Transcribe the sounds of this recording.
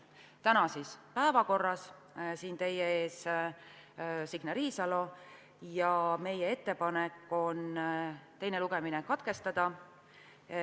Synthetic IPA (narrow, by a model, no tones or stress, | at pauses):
t̪ænɑsispæevɑko̞rːɑs | siːnt̪e̞jee̞ːs | siɡ̥nɑɾiːsɑlo̞ | jɑme̞jee̞t̪ːe̞pɑnekːˑo̞nt̪e̞jneluɡ̥e̞minekɑt̪ke̞st̪ɑd̪̥ɑ